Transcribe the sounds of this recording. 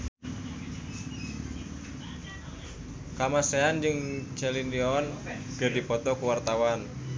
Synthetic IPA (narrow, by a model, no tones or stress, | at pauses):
kamaseand͡ʒɨŋt͡ʃɛliniɔnɡ̥ərdi̤pɔt̪ɔkuwart̪awan